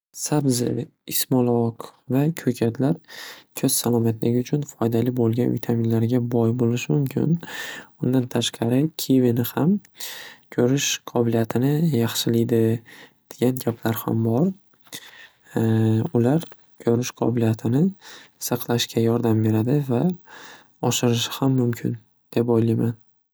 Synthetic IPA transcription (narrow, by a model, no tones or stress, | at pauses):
sabzɪ̰ɪsmɒlˠɒqvakʲʰɵkʲʰat̪ʰlaɾkʲʰɵz̥salˠɒmat̪lɪɡʲɪʊt͡ʃʰʊnfɒjd̪alɪbolˠɡʲanvɪ̰t̪ʰaminlaɾɡʲabɒjbolɪʃɪmʊmkʲʰɪ̰nʊnd̪ant̪ʰaʃqʰɑɾɪkʲʰevɪnɪham | kʲʰɵɾɪʃqʰɒbɪlijat̪ʰɪnɪjɑχʃɪlɪjd̪ɪd̪̥eɡʲanɡʲapʰlaɾha̰mbɒɾ | ʊlaɾ | kʲʰɵɾɪʃqʰɒ̰bɪlijat̪ʰɪnɪsɑqʰlˠaʃkʲʰajɒɾd̪ambe̞ɾad̪ɪva | ɒʃɪɾɪʃɪ̥hamːʊmkʲʰɪn | d̪̥e̞pojlijman